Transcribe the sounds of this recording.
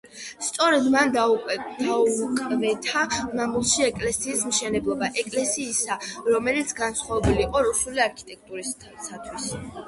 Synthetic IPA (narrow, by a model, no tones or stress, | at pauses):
st̪sʼɔɾɛd̪mand̪aukʼɛd̪aukʼmɛt̪ʰamamulˠʃiɛkʼlɛsiːsmʃɛnɛblˠɔbaʔɛkʼlɛsiːsaɾɔmɛlit̪sʰɡansχwavɛbuliqʼɔɾusuliaɾkʰi̥t̪ʼɛk̚ʰt̪ʼuɾi | sat̪ʰwis